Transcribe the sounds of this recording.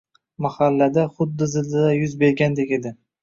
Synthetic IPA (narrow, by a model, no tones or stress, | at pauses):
mahalːad̪aχʊd̪ːɪzɪlːɪd̪ajʊzbe̞ɾɡʲand̪ekʲed̪ɪ